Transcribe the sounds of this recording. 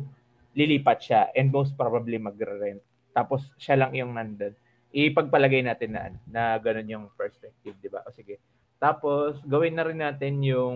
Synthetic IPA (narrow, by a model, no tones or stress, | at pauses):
lɪliːpɐt̪̚ʃaʔɛnd̪̚mows̬t̪̚pɹobɐblimɐɡɾɛɾɛnt̪̚ | t̪ːaːposʃalɐŋɪjʊŋmand̪on | ʔɪpɐɡ̚pɐlɐɡajnaːt̪ɪnːɐ̰ʔɐ̰nonɐɡɐno̞njʊŋpɛɹspɛk̚t̪ɪvd̪ɪba̰ʔoːsɪɡɛ | t̪aːpo̞sɡɐwɪnːɐɾɪnːaːt̪ɪnjʊŋ